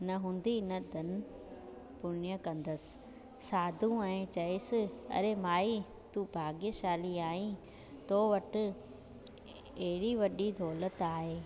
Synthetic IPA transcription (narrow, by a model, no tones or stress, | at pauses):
nɐɦũːn̆d̪inɐd̪ʱɐnɪ̆ | pʊnjəkɐ̃nd̪əsɪ̥̆ | saːd̪ʱũɛ̃ːt͡ɕɐɪsɪ̆ɐ̰ɾemaːi | t̪uːbʱaːɡijəʃaːliaːĩ | t̪oːʋɐʈɪ̆ | ɐɦɪɽiʋɐɗid̪ʱɔːlət̪aːɦeː